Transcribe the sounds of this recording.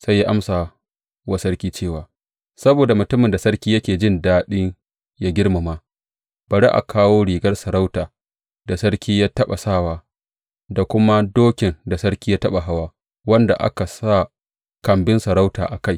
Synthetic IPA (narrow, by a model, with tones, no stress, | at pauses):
sa˦jaː˦ʔa˦msa˨ | wɐ˦sɐ˦rkʲiː˦t͡ʃeː˦˨waː˨ | sɐ˦boː˨da˨mʊ˨tʊ˦mɪ˨nda˨sɐ˦ɽkʲiː˦jɐ˦kʲeː˨d͡ʒɪ˦˨ndaː˦ɗɪ˦ŋ | jaː˦ɡʲɪ˦ɽma˨ma˨ | bɐ˨ɽḛ˦ʔa̰˨kʰaː˦woː˦ɽiː˨ɡɐ˦rsɐ˨ɾa˦wtaː˨ | d̥a˨sɐ˦ɽkʲiː˦jaː˦tɐ˦ɓa̰˨saː˦˨waː˦ | da˨kʷʊ˦ma˦doː˦kʲɪ˨nda˨sɐ˦ɽkʲiː˦jaː˦tɐ˦ɓa˨ɦa˦waː˦ | wɐ˦nda̰˨ʔa̰˦ka˨sa˦˨ | kɐ˨mbɪ˦nsɐ˨ɾa˦wta̰ː˨ʔa˨ka˦j